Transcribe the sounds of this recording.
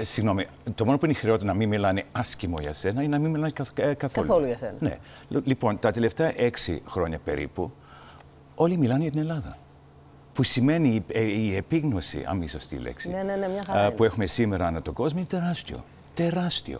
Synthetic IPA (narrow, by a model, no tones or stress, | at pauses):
siɣno̞mi | t̪o̞monopuinixɾeo̞t̪enɐminmilɐneɐscimo̞ʝɐ̰se̞nɐinenɐminmilɐneɐkɐθoluoluʝɐsenɐne̞̰ | lipo̞nt̪ɐt̪e̞left̪eɐʔe̞ksḭxɾo̞ɲɐpe̞̰ɾḭpu | o̞limilɐneʝɐt̪ine̞lɐðɐ̰ | pusime̞niiepiɣno̞sḭʔɐ̰misost̪ḭlḛksḭnenemɲɐɐpue̞xumesime̞ɾɐnɐt̪o̞ɡo̞zmoinet̪e̞ɾɐst̪io̞̰ | t̪e̞ɾɐst̪io̞̰